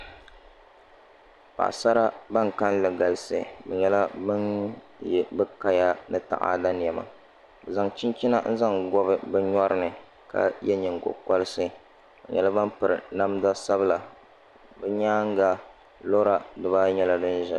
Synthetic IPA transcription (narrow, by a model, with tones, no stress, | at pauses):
pa̰˨ʔsa˦ɾa˦ba˦ŋ˨ka˦nlɨ˨ɡa˨lɨ˨sɨ̰˨bɛ˨ɲɛ˦la˦bɨ˦n | jɛ˨bɨ˦ka˦ja˦nɨ˦ta̰˨ʔa̰˦da˦nɪ˨jɛ˨ma̰˨ | bɛ˨za˨ŋt͡ʃi˦nt͡ʃi˦na˦n̩˦za˦ŋɡɔ˦bɨ˦bɛ˦ɲɔ˦ɾɨ˦nɨ˨ | ka̰˦jɛ˦ɲɨ˨ŋɡʊ̰˨ka˦lɨ˦sɨ˦ | bɛ̰˨ɲɛ˨la˦ba˦npɨ˨ɾɨ˨na˦m˦da˦sa˦bɨ˦la˨ | bɛ˦ɲaː˦ŋ˦ɡa˦ | lo˦ɾa˨dɨ˨baː˦ɲɛ˦la˦dɨ˦n˦ʒɛ˨